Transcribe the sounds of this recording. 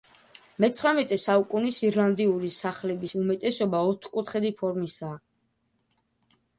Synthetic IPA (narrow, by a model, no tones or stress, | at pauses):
mɛt̪sʰχɾamɛt̪ʼɛsaukʼunisiɾlˠand̪iuɾisaχlɛbisumɛt̪ʼɛsɔbaɔt̪ʰχkʼut̪ʰχɛd̪ipʰɔɾmisaː